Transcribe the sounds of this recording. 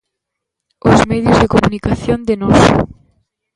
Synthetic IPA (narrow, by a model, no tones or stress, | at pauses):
ozmɛðjʊzðekomunikaθjond̪enɔs